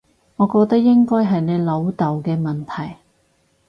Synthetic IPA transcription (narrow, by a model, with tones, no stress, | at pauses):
ŋɔː˨˧kɔː˧k̚t̪ɐ˥k̚jɪ˥ŋkɔː˥jɦɐ˨jne˨˧jlo˨˧wt̪ɐ˨wkɛː˧mɐ˨˩nt̪ʰɐ˨˩j